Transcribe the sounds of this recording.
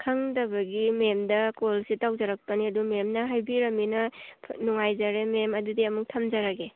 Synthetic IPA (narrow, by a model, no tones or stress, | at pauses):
kʰɐŋdɐbɐɡimemdɐkolsitawd͡ʒɐɾɐk̚pɐniɐdumemnɐɦajbiɾɐminɐnuŋajzɐɾememɐdudiɐmuk̚tʰɐmd͡ʒɐɾaɡe